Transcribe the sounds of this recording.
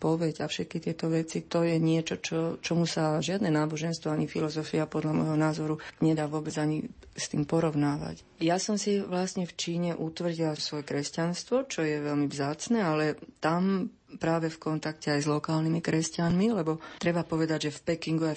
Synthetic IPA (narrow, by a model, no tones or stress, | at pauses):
pɔʋɛɟafʃɛt̪̚kit̪ɪɛt̪ɔʋɛt͡sit̪ɔjɛɲɪɛt͡ʃɔt͡ʃɔt͡ʃɔmusaʒɪad̪nɛnaːbɔʒɛnst̪ʋɔaɲifilɔzɔfiapɔd̪ʎamɔjɦɔnaːzɔɾuɲɛd̪aːʋʊɔbɛd͡zaɲi | st̪iːmpɔɾɔʊnaːʋa̰c | jasɔmsiʋlasɲɛft͡ʃiːɲɛʔut̪ʋr̩ɟilasʋɔjɛkɾɛscanst̪ʋɔt͡ʃɔjɛʋɛlmivzaːt͡snɛalɛt̪am | pɾaːʋɛfkɔnt̪akcɛajzlɔkaːlnimikɾɛscanmilɛbɔt̪ɾɛbapɔʋɛd̪aɟʒɛfpɛkiŋɡua